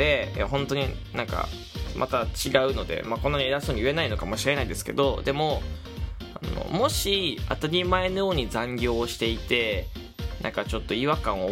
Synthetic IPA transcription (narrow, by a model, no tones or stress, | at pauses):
e̞ja̰ɦõ̞nt̪o̞ɲ̟inãŋka̰ | mʔa̰t̪at͡ɕiɡaɯ̟no̞d̪e̞̰makõ̞nːaɲ̟ieɾasoːɲ̟iɯe̞naino̞kamo̞ɕiɾe̞naid̪e̞sɨ̥ke̞̰d̪o̞d̪e̞mo̞ | ano̰mo̞ɕiat̪aɾʲimae̞no̞joːɲ̟izãŋɡʲo̞ːɕi̥t̪e̞it̪e̞ | nã̰ŋkat͡ɕo̞t̪ːo̞iβakãɰ̃o